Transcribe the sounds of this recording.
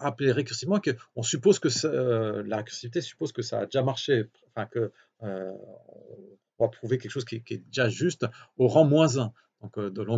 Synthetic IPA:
apleʁekʲyʁsimɑ̃ekəɔ̃sypozkəsalaʁekʲyʁsivit̪esy̥pozkəsa̰ːd̪eʒamaʁʃepɑ̃fɛ̃kə | ø | vapχuvekʲɛlkəʃozkʲiɛkʲiɛd̪eʒaʒyst̪oʁɑ̃mwɛ̃zɛ̃ | d̪̥ɔ̃kød̪əlɔ̃

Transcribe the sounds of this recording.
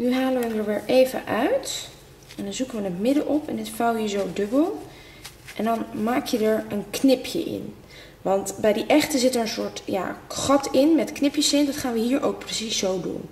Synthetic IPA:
nyɦaːləʋəndəɹʋɪːɹʔejvə̰ʔœɥt | ʔɛndɑnzukəʋənətmɪdəʔɔpɛ̰nɪtfɑlˠjiːɹzowdɵbəlˠ | ʔɛndɑnmaːkʰjədəɹənknɪpʰjə̰ʔɪ̰n | ʋɑntbɛjdiʔɛχtəzɪtəɹənsʊːɹtja̰ːχɑtɪnmɛtknɪpjəsɪntdɑtχaːnʋəɦiːɹʔo̰wk̚prəsisːowdṵn

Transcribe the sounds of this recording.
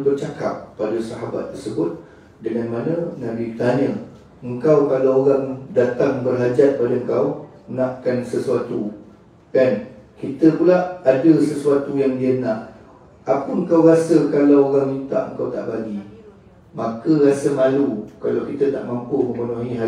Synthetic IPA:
bərt͡ʃaka̰p̚ːadasaɦaba̰t̪ːərsəbʊt̪̚ | dəŋanmanə̃nabipət̪aɲə | əŋkawkalawoɾaŋdat̪aŋbərɦad͡ʒat̪̚padaəŋkaw | ənaʔkansəsuat̪u | kankit̪əpulaʔadəsəsuat̪ujaŋdiənaʔ | apəəŋkawɾasəkalawoɾaŋmint̪a̰ʔəŋkawt̪a̰ʔbaɡi | makəɾasəmalukalawkit̪əna̰ʔmampuməmpənoɦiɦa

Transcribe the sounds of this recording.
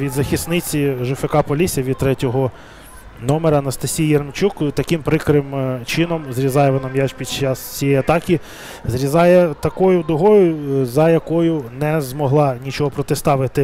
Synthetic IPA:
ʋʲid̪zɐxʲisnɪt͡sʲiʒɪfekɑpɔlʲisʲɐʋʲid̪̚t̪ɾɛtʲɔɦɔ | nɔmeɾɐnɐst̪ɐsʲijjɛrmt͡ʃukt̪ɐkɪmpɾɪkɾɪmt͡ʃɪnɔmzɾʲizɑjɛʋɔnɐmjaʃpʲid̪̚t͡ʃɑst͡sʲijɛjɐt̪ɑkʲi | zɾʲizɑjɛt̪ɐkɔjʊd̪ʊɦɔjʊzɐjɐkɔjʊnɛzmɔɦlˠɑnʲit͡ʃɔɦɔpɾɔt̪ɪst̪ɑʋɪt̪ɪ

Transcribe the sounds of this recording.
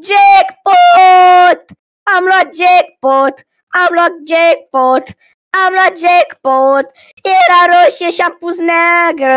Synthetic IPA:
d͡ʒekpo | t̪ | amlɔd͡ʒek̚pot̪ | amlɔk̚d͡ʒek̚pot̪ | amlad͡ʒekpot̪ | eɾaɾoʃeʃampud͡znaɡə

